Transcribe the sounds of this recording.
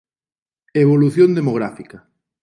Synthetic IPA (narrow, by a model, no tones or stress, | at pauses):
eβ̞oluθjond̪emoɣ̞ɾafikɐ